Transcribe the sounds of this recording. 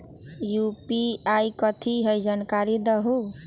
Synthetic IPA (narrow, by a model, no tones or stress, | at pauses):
jupiajkʌt̪ʰiɦʌjd͡ʒankaɾid̪əɦu